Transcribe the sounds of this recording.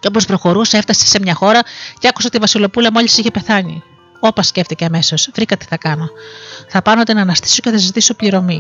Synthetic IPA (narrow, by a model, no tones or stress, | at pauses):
co̞po̞spɾo̞xo̞ɾusee̞ft̪ɐse̥se̞mɲɐxo̞ɾɐceɐku̥seot̪ivɐsilo̞pulɐmo̞ʎisiçe̞pe̞θɐɲḭ | o̞pɐsce̞ft̪ice̞ɐme̞so̞svɾikɐt̪i̥θɐkɐno̞θɐpɐnot̪enɐnɐst̪i̥soceθɐzzit̪isopliɾo̞mi